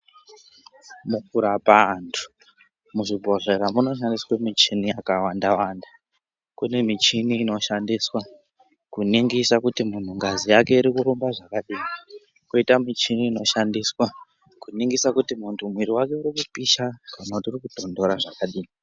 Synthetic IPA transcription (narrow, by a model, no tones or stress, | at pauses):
mukuɾapantʰu̥ | muʐibʱo̞ɮe̞ɾamuno̞ʃ̬andiswemit͡ʃinijakawandawanda | kune̞mit͡ʃiniːno̞ʃandiswa | kuniŋɡisakutimun̤uŋɡazijake̞iɾikuɾumbaʐakaɗiːi | koitamit͡ʃiniːno̞ʃandiswa | kuniŋɡisakutimuntʰumwiɾiwake̞uɾikupiʃakanauturikud̥ʱo̞ndo̞ɾaʐakaɗiːi